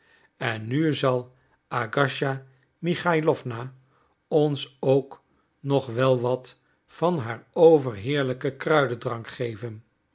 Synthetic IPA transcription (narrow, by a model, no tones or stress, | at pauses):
ɛnːyzɑlˠ | aɡɑʃa | miχajlɔfna | ɔnsowk | nɔχʋɛlˠʋɑt | fɑnɦaːɹowvərɦɪːɹləkəkrœɥdədrɑŋkχejvən